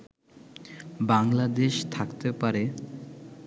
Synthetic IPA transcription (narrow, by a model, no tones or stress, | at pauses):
baŋlad̪eʃt̪ʰakt̪epaɾe